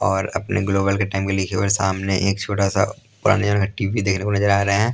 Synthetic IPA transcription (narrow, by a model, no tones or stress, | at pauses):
ɔːɾɐ̰pnḛɡloːbəlkeʈaːɪmkelikʰeʋəɾsaːmneʔeːkt͡ʃʰoːʈasa̰ | pʊɾa̰ːned͡ʒaːnakaʈiːʋid̪eːkʰnekonɐzəɾaːɾɐɦeɦɛ̃ː